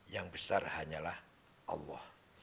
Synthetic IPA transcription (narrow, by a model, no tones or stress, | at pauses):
jaŋbəsarhaɲalah | ʔɑ̰lːɔh